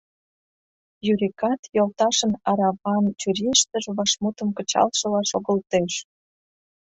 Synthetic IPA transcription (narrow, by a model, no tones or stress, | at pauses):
jyɾikɑt̪jolt̪ɑʃənɑɾɑvɑnt͡ɕyɾiʃt̪ə̆ʒβɑʃmut̪ə̆mkə̆t͡ɕɑ̰lʃə̆lɑʃoɣəlt̪eʃ